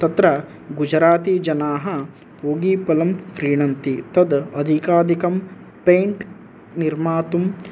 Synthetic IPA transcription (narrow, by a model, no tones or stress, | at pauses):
t̪ɐt̪ɾɐ | ɡud͡ʒɾaːt̪iːd͡ʒɐnaːɦɐ | poːɡiːpɐlɐmkɾiːɳɐnt̪it̪ɐd̪ɐd̪ʱikaːd̪ikɐm | pejɳʈ | niɾmaːt̪um